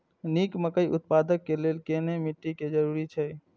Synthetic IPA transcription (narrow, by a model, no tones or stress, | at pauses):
nikməkəjʔut̪̚pad̪əkːelelkenemiʈːiked͡ʒəɾuɾit͡ʃʰɛ